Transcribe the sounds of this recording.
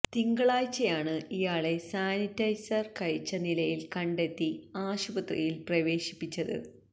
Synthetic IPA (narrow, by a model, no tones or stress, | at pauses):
t̪iŋɡɐɭaːjt͡ɕːɐjaːɳɨijaːɭe̞saːnitːɐjsɐrkɐɻit͡ɕːɐnilɐjilkɐɳɖe̞t̪ːiaːɕubɐt̪rḭjilprɐʋe̞ːɕi̥pːit͡ɕːɐðɨ̰